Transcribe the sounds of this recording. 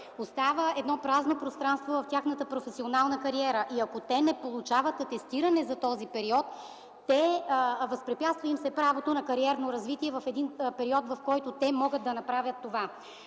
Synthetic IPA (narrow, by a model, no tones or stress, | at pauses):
ost̪avəɛd̪nɔpɾaznopɾost̪ɾanst̪vovɐft̪ʲjaxnət̪əpɾofɛsionalˠnəkɐɾiɛɾəʔiɐkot̪ɛnɛpolˠut͡ʃavət̪ːt̪ːɛst̪iɾɐnɛzɐt̪ɔzipɛɾiɔt̪ː | ɛvɐspɾɛpʲjat̪st̪vəimsɛpɾavot̪onɐkɐɾiɛɾnoɾɐzvit̪iɛvɐfɛd̪inpɛɾiɔt̪vɐfkɔjt̪ot̪ɛmɔɡət̪̚d̪ɐnɐpɾavʲjət̪ːova